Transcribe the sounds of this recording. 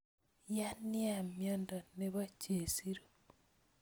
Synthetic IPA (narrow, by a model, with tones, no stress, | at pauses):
ja˦ni˦a˨mjɔ˦ndo˨ne˦βa˦t͡ʃe˨siɾo